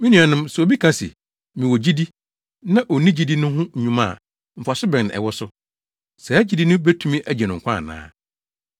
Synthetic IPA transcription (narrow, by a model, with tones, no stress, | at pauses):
mɪ̃˦nĩ˨a˨nɪ̃˦msɛ˨o˨bi˦kʰã˦sɪ̰˨ | mĩ˨wɔ˨d͡ʑi˦di˦ | nã˦ʔɔ˨nĩ˦d͡ʑi˦di˦nʊ̃˦hʊ̃˦ɲ̩˨ɲũ˦mã̰˦˨ | m̩˨fa˨sɪ˦bɪ̃˨n˨ɛ̰˨wɔ˦sʊ˦ | sɛ˨æ˦d͡ʑi˦di˦nʊ̃˦be˦tʰũ˦mĩ˦ʔæ˦d͡ʑɛ˨nʊ̃˨ŋ̩˨kʰʷã˦˨nã̰ː˦